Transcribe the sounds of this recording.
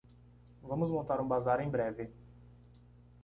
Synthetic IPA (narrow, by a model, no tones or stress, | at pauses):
vɐ̃mʊzmõnt̪aɾũbazaɾẽj̃bɾɛvɪ